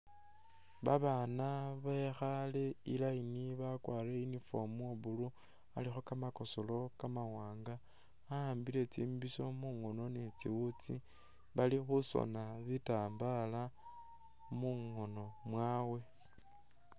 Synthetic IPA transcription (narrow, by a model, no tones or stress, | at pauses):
βa̰βanaβaexale̞ilainiβakwaːɾeinifo̞muoβulu | a̰lixokamako̞solo̞kamawaːŋɡaː | aːmbile̞t͡sḭːmbiso̞muŋo̞no̞net͡siwut͡si | βalixuso̰naβitaːmbala | muŋo̞no̞mwaːwe̞